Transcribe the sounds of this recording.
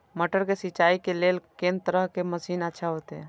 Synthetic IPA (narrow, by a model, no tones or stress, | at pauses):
məʈəɾkesɪt͡ʃaːikeleːlkẽːnt̪əɾəɦkeməsiːnətːʃʰaɦot̪eɦɛ̃